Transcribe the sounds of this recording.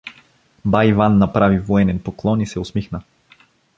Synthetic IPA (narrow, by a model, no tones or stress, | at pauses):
bajvanːapɾavivɔɛnɛnpoklˠɔnisɛʊsmixnə